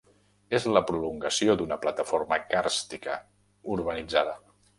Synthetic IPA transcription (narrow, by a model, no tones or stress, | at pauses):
ezləpɾuluŋɡəsiod̪unəplət̪əfoɾməkaɾst̪ikə̰ | uɾβ̞ənid͡zaðə